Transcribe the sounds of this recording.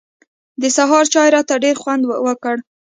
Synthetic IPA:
d̪əsaɦɑɾt͡ʃɑjɾɑt̪aɖeɾxwand̪wəkəɽ

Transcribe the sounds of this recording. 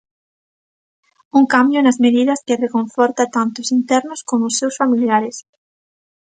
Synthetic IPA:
uŋkambjʊnɐzmeðið̞ɐskerekoɱfɔɾt̪at̪ant̪ʊsint̪ɛɾnʊskomoʊsːewsfamiljaɾɪs

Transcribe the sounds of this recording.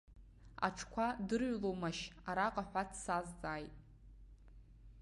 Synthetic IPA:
a̰ʈ͡ʂʰkʷʰadɨrɥlowmaʃaɾaqʼaħʷᶣatʰsazd͡zaːjtʼ

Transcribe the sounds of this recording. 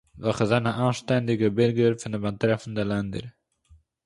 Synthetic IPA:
vɛχəzɛnəʔaːnʃtɛndɪɡəbɪɾɡəɾfɪndəmantɾɛfn̩dəlɛndə̰ɾ

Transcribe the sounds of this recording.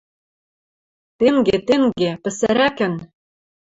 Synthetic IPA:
t̪eŋɡet̪eŋɡɡepɘ̆sæɾækɘ̆n

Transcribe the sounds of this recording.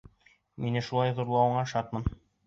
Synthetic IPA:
minɘʃulˠɑjðuɾlˠɑwɤ̆ɴɑʃɑt̪mɤn

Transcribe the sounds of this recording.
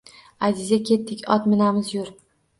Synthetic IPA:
azɪzakʲʰe̞t̪ːɪkʲɒt̪mɪnamɪzjʊɾ

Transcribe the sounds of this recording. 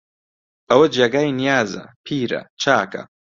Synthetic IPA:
ɐwɐd͡ʒeɡaːjinijaːzɐ̰pʰiːɾɐ̰t͡ʃʰaːkɐ̰

